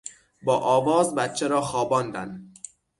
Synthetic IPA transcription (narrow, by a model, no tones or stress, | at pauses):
bɒːʔɒːvɒːzbæt̪̚t͡ʃʰeɾɒːxɒːbɒːnd̪æ̰n